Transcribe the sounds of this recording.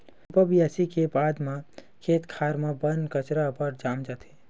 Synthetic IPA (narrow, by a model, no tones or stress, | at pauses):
pəbijasikebaːd̪mã | kʰeːt̪kʰaːɾmãbənkət͡ʃɾapəɾd͡ʒaːmd͡ʒaːt̪e̥